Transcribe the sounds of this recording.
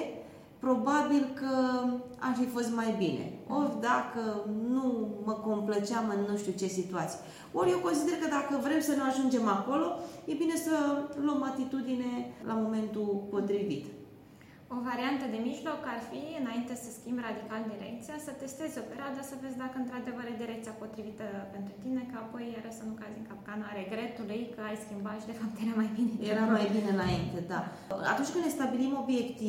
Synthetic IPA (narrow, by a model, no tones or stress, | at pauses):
pɾo̞babilkəa̰rfifo̞st̪majbine̞̰orʲd̪akənuməko̞mplət͡ʃeamɨnːuʃt̪ut͡ʃe̞sit̪uat̪sije | oɾjewko̞nsid̪e̞rkəd̪akəvɾe̞msənuaʒund͡ʒe̞mako̞lo̞je̞bine̞səluəmat̪it̪ud̪ine̞lʔamo̞me̞nt̪upo̞t̪ɾivḭt̪ | o̞vaɾiant̪əd̪e̞miʒlo̞karfiɨnaint̪e̞səskʲimbrad̪ikald̪iɾe̞̰k̚t̪sijasət̪e̞st̪e̞zopeɾead̪əsəve̞d̪zʲd̪akəɨnt̪ɾad̪e̞vəɾjad̪iɾekt̪siapo̞t̪ɾivit̪əpe̞nt̪ɾut̪ine̞kəapo̞jaɾəsənukaziŋkap̚kanaɾe̞ɡɾe̞t̪ulejkəajskʲimbaʃid̪e̞fap̚t̪je̞ɾamajbinejeɾamajbineɨnaint̪e̞d̪a | a̰t̪unt͡ʃʲkɨnːest̪abilimo̞bje̞kt̪i